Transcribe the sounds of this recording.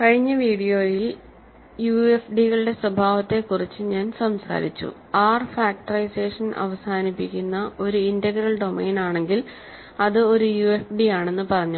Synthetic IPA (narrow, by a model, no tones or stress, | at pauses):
kɐɻiɲːɐʋiːɽijo̞ːjil | juefɖiɣɐɭɨɽe̞swɐbʱaːʋɐt̪ːe̞kːurit͡ɕːɨɲaːnsɐmsa̰ːɾḭt͡ɕːṵ | aːrfaːk̚ʈɐrɐjse̞ːʂɐnʔɐ̰ʋɐsaːnipːikʲːunːɐʔo̞ɾuindɐɡɾɐlɖo̞me̞ːnaːɳe̞ŋɡil | ɐðɨo̞ɾujuːefɖijaːɳe̞nːupɐrɐɲːu